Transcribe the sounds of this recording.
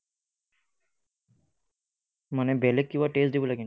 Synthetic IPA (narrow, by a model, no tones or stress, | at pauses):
manebɛlekːiʋaʈeːsd̪ibulaɡin